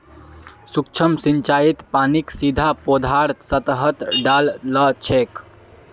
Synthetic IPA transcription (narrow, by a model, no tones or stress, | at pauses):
sukt͡ʃʰəmsint͡ʃait̪paniksid̪ʱapod̪ʱaɾsət̪əɦət̪ɖalːət͡ʃʰek